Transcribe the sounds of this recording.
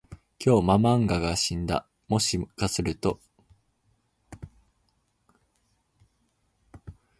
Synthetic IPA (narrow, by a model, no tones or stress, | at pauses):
kʲʰo̞ːmamãŋɡaɡaɕĩnd̪a̰ | mo̞ɕikasɨɾɯ̟t̪o̞